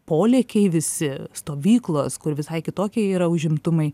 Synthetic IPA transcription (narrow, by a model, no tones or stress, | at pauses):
poːlʲeːkʲɛɪʋʲɪsʲɪst̪oːʋʲiːklˠoːskʊɾʋʲɪsɐɪkʲɪt̪oːkʲeiːɾɐʊʒʲɪmt̪ʊmɐɪ